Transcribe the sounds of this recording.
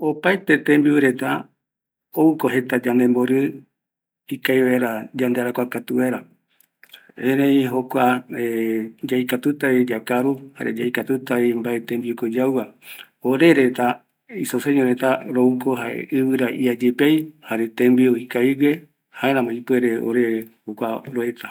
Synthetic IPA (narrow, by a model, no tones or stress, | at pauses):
opat̪et̪ẽmbieɾet̪a | oukoɦet̪ad͡ʒand̪emboɾɨ | ikaiβeɾad͡ʒand̪eaɾakʷakat̪uβeɾa | ẽɾẽiɦokʷaed͡ʒaikat̪ut̪aβid͡ʒakaɾuha̰ɾḛd͡ʒaikat̪ut̪aβimbaet̪embiokod͡ʒaua | oɾeɾet̪a | isoseɲoɾet̪aɾoukoɦaḛʔɨβɨɾaʔiad͡ʒepejhaɾet̪ẽmbioikaiɡe | haeɾãmõipweɾeo̰ɾeɾehokʷaɾoet̪a